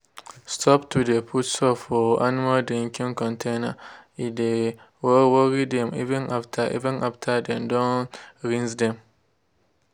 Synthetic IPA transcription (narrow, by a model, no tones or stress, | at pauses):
stʰɔptːudepʰutsɔfɔanmaldɾĩŋkĩŋkɔ̃ntʰenaide | wɔwɔɾidɛ̃mḭvɛ̃naftʰaʔḭvɛ̃nʔaftʰadɛ̃mdɔ̃nɾĩnsdɛ̃m